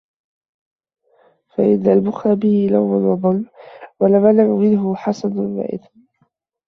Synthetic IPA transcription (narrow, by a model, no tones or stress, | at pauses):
faʔɪnːalbʊxɾabɪhɪlawmanwɑðˤɑlːwalamalaʕʊmɪnɦʊħɑsˤɑdʊnwa̰ʕʔɪ̰d̪